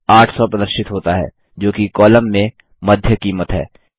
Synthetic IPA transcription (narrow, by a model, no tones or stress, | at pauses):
aːʈʰsɔpɾɐd̪əɾʃɪt̪ɦoːt̪aɦɛ̰ː | d͡ʒoːkikɔːləmːẽ | mɐd̪ʱjəkiːmət̪ɦɛ̰ː